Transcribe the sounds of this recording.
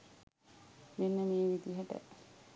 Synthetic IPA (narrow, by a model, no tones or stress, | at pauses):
menːəmeːʋid̪iɦəʈə̰